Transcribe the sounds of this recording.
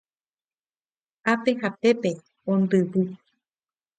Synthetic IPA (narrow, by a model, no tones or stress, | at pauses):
ape̞ɦape̞pe̞ | õnd̪ɨβɨ